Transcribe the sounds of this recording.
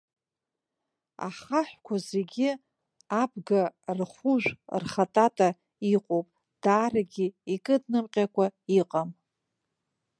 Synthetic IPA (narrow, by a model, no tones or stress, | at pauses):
a̰χaħʷkʷʰazeɡʲi | abɡarχʷuʒʷᶣrχatʼatʼa | iqʼowpʼ | d̥aːraɡʲiikʼɨdnɨmqʲʼakʷʰaiqʼam